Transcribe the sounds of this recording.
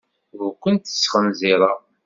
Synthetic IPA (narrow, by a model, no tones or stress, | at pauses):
ɣkʷːənt̪ə̥sːχənziɾˤɑ